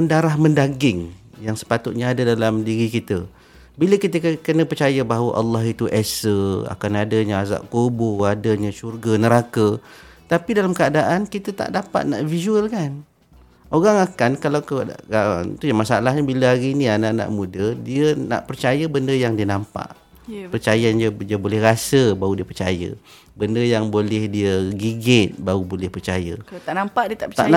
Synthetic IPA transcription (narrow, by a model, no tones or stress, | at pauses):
əndaɾaɦməndaɡɪŋ | jaŋsə̥pat̪ʊt̪̚ɲəadadalamdiɾikit̪ə | biləkit̪əkkənə̃pərt͡ʃajəbaɦawə̰ʔɑlːɑɦit̪uʔɛsəa̰kanadəɲəaza̰ʔkobʊadəɲəʃurɡənəɾakət̪apidalamkəadaʔankit̪ət̪a̰ʔdapa̰t̪̚na̰ʔvizuəlkan | oɣaŋakankalawkəda̰nt̪ujamasa̰laɦɲəbiləaɾinĩanana̰ʔmudədiəna̰ʔpərt͡ʃajəbəndəjaŋdiənampa̰ʔ | pərt͡ʃajand͡ʒədiəbolɛhrasəbaudiəpərt͡ʃa̰jə̰ | bəndəjaŋbolɛhdiəɡiɡɪt̪̚baubolɛhpərt͡ʃa̰jə̰t̪aʔnampaʔdiət̪aa̰ʔna